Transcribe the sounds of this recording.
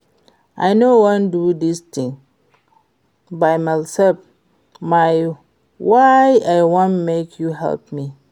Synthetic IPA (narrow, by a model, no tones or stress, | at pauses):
ʔajnowãndudist̪ĩŋ | bajmasɛlf | maj | wajajwõnmekʰjuɦɛ̰lp̚mi